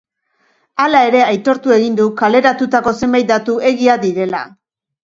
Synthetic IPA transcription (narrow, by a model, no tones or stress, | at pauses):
alae̞ɾe̞ajt̪o̞ɾt̪ue̞ɣind̪ukale̞ɾat̪ut̪ako̞se̞mbajt̪̚d̪at̪uʔe̞ɣiaðiɾe̞la̰